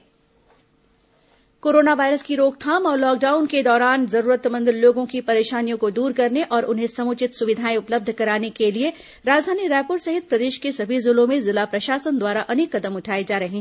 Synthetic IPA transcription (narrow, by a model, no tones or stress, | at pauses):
koːɾoːnaʋaːɪɾəskiɾoːkt̪ʰaːmɔːɾlɔːk̚ɖaːʊnked̪ɔːɾaːnzɐɾuːɾət̪mə̃nd̪ɾloːɡõkipɐɾeːʃaːnijõkod̪uːɾkɐɾneʔɔːɾʔʊnɦẽsɐmʊːt͡ʃɪt̪sʊʋɪd̪ʱaːĩʊpləb̚d̪ʱkɐɾaːnekelie | ɾaːd͡ʒd̪ʱaːniɾɛːpʊɾsɐɦɪt̪̚pɾɐd̪eːʃkesɐbʱizʊlõmẽzɪlapɾɐʃaːsənd̪waːɾaʔɐneːkːɐd̪əmʊʈʰaːid͡ʒaːɾɐɦĩ